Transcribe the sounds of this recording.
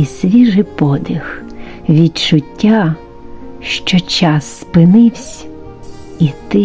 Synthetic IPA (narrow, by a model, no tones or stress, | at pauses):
isʋʲiʒɪpɔd̪ɪxʋʲidt͡ʃʊtʲːa | ʃt͡ʃɔt͡ʃɑsːpɪnɪwsʲ | it̪ɪ